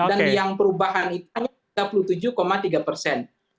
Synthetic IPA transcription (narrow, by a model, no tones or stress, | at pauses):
ddanjaŋpəɾubaɦanit̪uaɲa | ɡapulut̪ud͡ʒukomat̪iɡapərsɛn